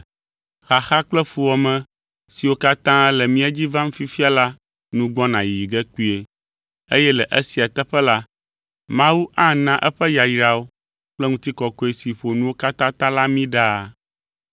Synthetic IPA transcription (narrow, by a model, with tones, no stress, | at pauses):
xa˨xa˦k͡plɛ˦fu˨wɔ˨mɛ̃˨ | si˨wo˦ka˦t̪ã˦ɛ˦lɛ˨mĩ˦a˦d͡ʑi˦vã˦ŋ̩̃˦fi˦fi˦a˦la˦ | nũ˦ɡ͡bɔ˦nã˨ji˨i˨ɡɛ˦k͡pi˦e˨ | e˦jɛ˦lɛ˨ʔe˦si˨a˨t̪ɛ˦ɸɛ˦la˦ | mã˦wu˦ʔã˦nã˦ʔɛ˦ɸɛ˦ja˨ji˨ɾa˨wo˦ | k͡plɛ˦ŋũ˦t̪i˦kɔ˨kɔ˦i˦si˨ɸo˨nũ˦wo˦ka˦t̪ã˦t̪ã˦la˦mĩ˦ɖa˦˨